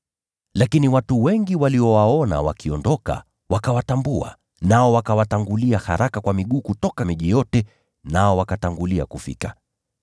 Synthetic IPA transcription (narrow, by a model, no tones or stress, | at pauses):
lakiniwatuwɛŋɡiwaliɔwaɔna̰wa̰kiɔndɔka̰ | wakawatambua̰ | naɔwakawataŋɡuliaha̰ɾakakwamiɠuːkutɔkamiʄijɔtɛ | naɔwakataŋɡulia̰kufḭka